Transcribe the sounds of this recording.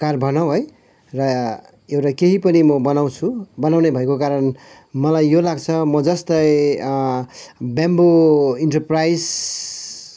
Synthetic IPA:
karbʱʌnawɦʌj | rʌ | ewʈakeɦipʌnimʌbʌnaw̃t͡sʰubʌnawnebʱʌekokaɾʌn | mʌlajːolaɡt͡sʰʌmʌd͡zʌst̪ʌj | bjamboiɳʈʌrprajs

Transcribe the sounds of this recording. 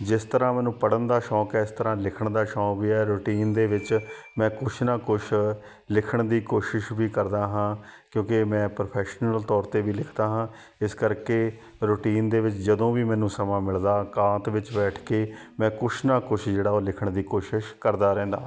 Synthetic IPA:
d͡ʒɪst̪əɾãːmɛːnũːpəɽənd̪aːʃɔːkɛːɪst̪əɾãːlɪkʰəɳd̪aːʃɔːkʋiːɛːɾoːʈiːnd̪eːʋɪt͡ʃ | mɛ̃ːkʊʃʰnaːkoʃ | lɪkʰəɳd̪iːkoːʃɪʃʋiːkəɾd̪aːɦãːkjõːkemɛ̃ːpɾopʰɛːʃnəlt̪ɔːɾt̪eːʋiːlɪkʰd̪aːɦãː | ɪskəɾkeː | ɾoːʈiːnd̪eːʋɪt͡ʃd͡ʒəd̪õːʋiːmɛ̃ːnũːsəmãːmɪld̪aːkãːt̪ʋɪt͡ʃbɛːʈʰkeːmɛ̃ːkʊʃʰnaːkʊʃʰd͡ʒeːɽaːoːlɪkʰəɳd̪iːkoːʃɪʃkəɾd̪aːɾɛ̃ːnd̪a̰ː

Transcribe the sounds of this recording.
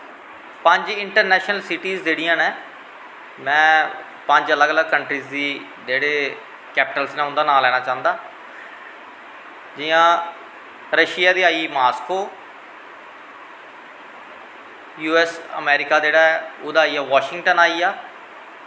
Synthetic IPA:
pəɲd͡ʒɪɳʈəɾnɛːʃnəlsɪʈiːzd͡ʒeːɽijãːnẽː | mɛ̃ː | pəɲd͡ʒələɡələɡ̚kəɳʈɾiːzd̪iː | d͡ʒeːɽeː | kɛːpɪʈəlsneːʊ̃nd̪aːnaːlɛːnãːt͡ʃãːnd̪aː | d͡ʒɪjãː | ɾəʃɪjaːd̪iːaːiːmaːskoː | juːɛːsə̰mɛːɾɪkaːd͡ʒeːɽaːɛʊd̪aːiːaːʋaːʃɪ̃ŋɡʈənaːiːaː

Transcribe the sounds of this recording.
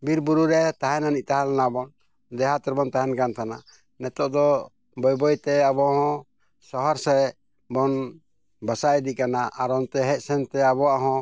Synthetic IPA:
biɾbuɾuɾɛt̪aɦɛnanit̪aɦalanabɔn | d̪ɛɦat̪ɛɾbɔnt̪aɦɛnkant̪ʰana | nɛt̪ɔʔd̪ɔ | bɔjbɔjt̪ɛabɔɦɔ̃ | sɔɦɔɾsɛ | bɔn | bəsajd̪ikanaʔaɾɔnt̪ɛɦɛc̚sɛnt̪ɛabɔwaʔɦɔ̃

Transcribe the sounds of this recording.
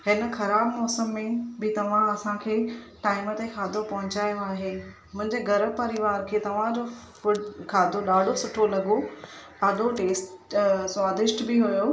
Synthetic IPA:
hɪnəxɐɾaːbmɔːsəmːẽbɪt̪ɐʋ̤ãɐsãkʰeː | ʈaːɪmət̪exʰaːd̪ʱopɐɦʊt͡ɕaːjoaːɦeː | mʊ̃ɦɪ̃ɲd͡ʑeɡʱɐɾəpɐɾɪʋaːɾkʰeːt̪ɐʋ̤ãd͡ʑofʊɖkʰaːd̪ʱoɗaːɖ̤ʱosʊʈʰolɐɡo | ɐɗoʈeːsʈswaːd̪ɪʃʈbɪɦujo

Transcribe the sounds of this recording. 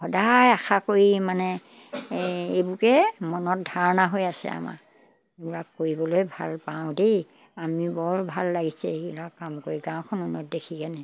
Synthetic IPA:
xɔdajaxʰakoɹimanɛ | ejbukɛmɔnɔt̚dʱaɹɔnaɦojasɛ̰a̰ma̰ | lakːoɹibɔlojbʱa̰lpaʊ̃dej | amibɔɹbʱalːaɡisɛ̰ebilakːamkoɹiɡãw̃kʰɔnunɔt̚dekʰikɛnɛ

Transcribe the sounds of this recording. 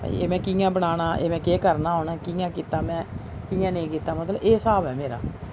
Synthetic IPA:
a̰ːḭḛːmɛ̃ːkiːjãːbəɽ̃aːñaːʔḛːmɛ̃ːkeːkəɾnaːɦoːnaːkijãːkiːt̪aːmɛ̃ːkiːjãːnəĩkiːt̪aːmət̪ləeːsaːbɛːmeːɾa̰ː

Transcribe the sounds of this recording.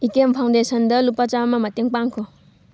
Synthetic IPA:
ikempʰawndesɐndɐlupːat͡ʃamɐmɐteŋpaŋkʰɔ

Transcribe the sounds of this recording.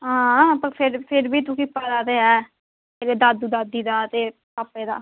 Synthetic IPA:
ɦãːaãːpəɾpʰɪɾpʰɪɾbiːt̪̬ũːkɪpːaːd̪aːt̪eːɦɛː | eɡeːd̪aːd̪ud̪aːd̪iːd̪aːt̪eːpaːpːeːd̪a̰ː

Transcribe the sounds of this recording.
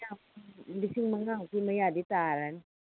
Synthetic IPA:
ap̚disiŋmaŋakimajaːdit̪aːɾan

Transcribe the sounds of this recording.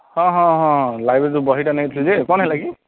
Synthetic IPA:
hɔ̃ɦɔ̃ɦɔ̃lajbɛt̬ʊbɔɦitanait̪ʰuzekɔnɦɛlaɡi

